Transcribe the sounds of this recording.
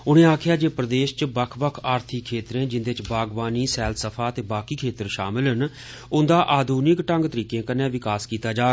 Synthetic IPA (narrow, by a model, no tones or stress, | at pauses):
ʊñẽːaːkʰɪjaːd͡ʒeːpɾəd̪eːʃt͡ʃbəkʰbəkʰaːɾt̪ʰɪkʰːeːt̪ɾẽːd͡ʒɪnd̪eːt͡ʃbaːɡʋaːniːsɛːlsəpʰaːət̪eːbaːkiːkʰeːt̪əɾʃa̰ːmɪlɦən | ʊnd̪aːʔaːd̪ʱuːnɪkʈə̃ŋɡt̪əɾiːkẽːkənːẽːʋɪkaːskiːt̪aːd͡ʒaː